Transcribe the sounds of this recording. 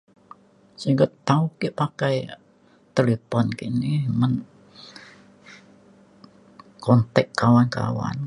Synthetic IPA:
siɡət̪aukiʔpakaj | t̪elepɔnkḭnimən | kɔnt̪ɛkːawanka̰wa̰n

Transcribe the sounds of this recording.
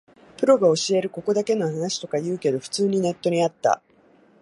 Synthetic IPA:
pɯ̟ɾo̞ɡao̞ɕie̞ɾɯ̟ko̞ko̞d̪ake̞no̞hanaɕi̥t̪o̞kajɯ̟ːke̞d̪o̞ɸɯ̥t͡sɨːɲ̟ine̞t̪ːo̞ɲ̟iat̪ːa̰

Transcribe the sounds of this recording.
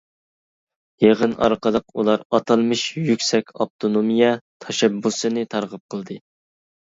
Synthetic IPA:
jeʁənɑ̰ɾqəlˠəqṵlˠɑɾɑt̪ʰɑlˠmɨʃjykʲsɛkʲɑ̰p̚t̪ʰonomijɛt̪ʰɑʃɛbːusɨnɨt̪ʰɑɾʁəp̚qʰəlˠd̪ɨ

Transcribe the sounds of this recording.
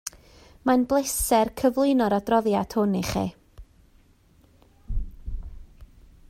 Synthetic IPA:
manblˠesɛrkʰəvlˠɪnɔɾadrɔðjadʰhʊniχḭː

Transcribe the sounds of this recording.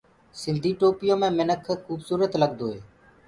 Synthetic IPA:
sɪnd̪ʱiːʈoːpɪjõːmẽːmɪnəkʰxuːbsuːɾət̪ləɡd̪oːɦeː

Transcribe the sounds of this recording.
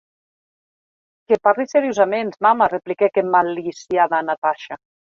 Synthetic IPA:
keparliseɾijozamenzmamareplikekemalisjaðanat̪aʃa

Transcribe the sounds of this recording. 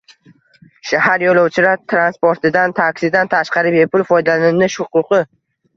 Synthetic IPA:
ʃahaɾjolˠɒwt͡ʃʰɪlat̪ʰɾanspoɾt̪ʰɪd̪ant̪ʰakʲsɪd̪ant̪ʰaʃqɑɾɪbe̞pʰʊlfɒjd̪alɪnɪʃʊqʊqʰɨ

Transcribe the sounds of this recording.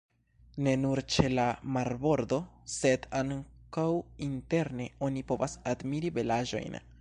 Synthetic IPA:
ne̞nuɾt͡ʃe̞lamaɾbo̞ɾd̪o̞se̞d̪aŋkawinte̞ɾne̞o̞nipo̞vasad̪miɾive̞laʒo̞̰jn

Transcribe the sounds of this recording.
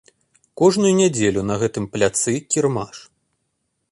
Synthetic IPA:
kɔʐnujunʲad͡zʲelʲunɐɣɛt̪ɨmplʲat̪sɨkʲirmaʂ

